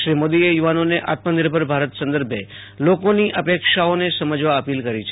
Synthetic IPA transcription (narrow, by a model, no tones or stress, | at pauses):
ʃɾimod̪iejuʋanoneʔat̪mənɪɾbʱəɾbʱaɾət̪sə̃nd̪əɾbʱje | lokoniʔəpekʃaonesəməd͡ʒʋaəpilkəɾit͡ʃʰ